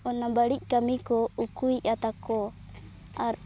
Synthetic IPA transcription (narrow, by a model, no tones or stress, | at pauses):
ɔnabaɽic̚ˀkamikɔukujat̪akɔ | aɾ